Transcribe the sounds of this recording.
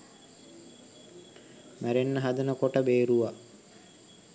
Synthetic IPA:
mæɾenːəɦad̪ənəkoʈəbeːɾuʋa

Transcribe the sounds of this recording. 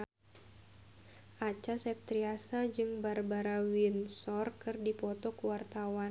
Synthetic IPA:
ʔat͡ʃasɛp̚t̪ɾiasad͡ʒɨŋbarbaɾawinsɔrkɨrdipɔt̪ɔkuwart̪awa

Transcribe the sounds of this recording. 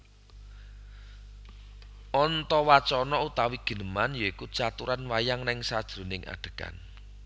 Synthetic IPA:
ʔɔnt̪ɔwat͡ʃɔnɔut̪awiɡ̥ə̤nəmanjɔikut͡ʃat̪uɾanwajaŋnɪŋsad̥ʒ̥ɾo̤nɪŋʔa̰ɖ̥ə̤̥ka̰n

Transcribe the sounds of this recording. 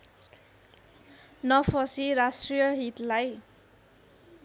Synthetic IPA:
nʌpʰʌsiɾasʈrijʌɦit̪laj

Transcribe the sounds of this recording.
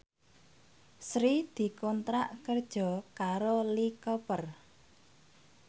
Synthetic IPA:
sɾid̪̥i̤kɔnt̪ɾaʔkərd̥ʒ̥ɔ̤kaɾolikɔpər

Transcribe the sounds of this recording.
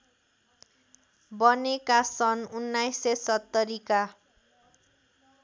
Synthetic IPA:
bʌnekasʌnunːajsːesʌt̪ːʌɾika

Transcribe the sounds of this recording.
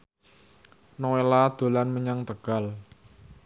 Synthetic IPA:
nowelad̪̥o̤lanməɲaŋt̪əɡ̥a̤l

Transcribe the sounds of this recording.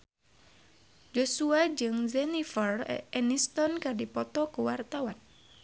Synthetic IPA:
d͡ʒosuad͡ʒɨŋzɛnifərɛnist̪ɔnkadipɔt̪ɔkuwart̪awan

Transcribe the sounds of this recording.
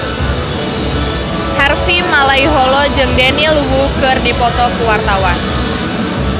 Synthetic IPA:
hɛrfimalaiɦɔlɔd͡ʒɨŋdɛnilwukərdipɔt̪ɔkuwart̪awan

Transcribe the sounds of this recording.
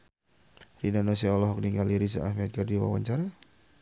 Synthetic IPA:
rinanɔsɛɔlɔɦɔk̚niŋaliɾisa̰ːhmɛt̪̚kardiwa̰wa̰ɲt͡ʃaɾa

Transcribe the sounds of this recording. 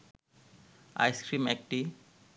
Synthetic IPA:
a̰jskɾimek̚ʈi

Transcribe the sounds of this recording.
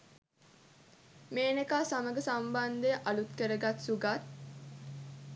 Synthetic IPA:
meːnekaːsaməɡəsamband̪ejəʔɐlut̪kəɾəɡat̪suɡat̪

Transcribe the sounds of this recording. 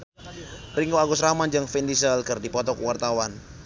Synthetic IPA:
riŋkoaɡʊsɾamand͡ʒaŋfɛndisalkərdipɔt̪ɔkwart̪awan

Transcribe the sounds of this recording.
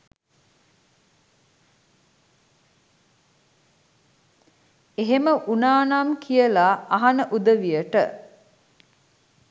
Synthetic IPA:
eɦeməʔunaːnamkʰijəlaaɦanəʔud̪əʋijəʈə̰

